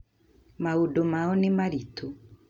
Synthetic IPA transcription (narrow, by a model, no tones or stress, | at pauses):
maudomaɔnɪmaɾitʰo